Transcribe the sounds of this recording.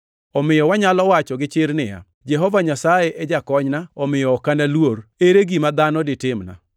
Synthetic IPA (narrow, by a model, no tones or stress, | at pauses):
ɔmɪjɔwaɲalɔwat͡ʃɔɡɪt͡ʃɪɾnɪja̰ | d͡ʒɛɦɔvaɲasajeʔɛd͡ʒakɔɲnaɔmɪjɔːkanalwoɾeɾeɡimad̪anɔdɪtɪmna̰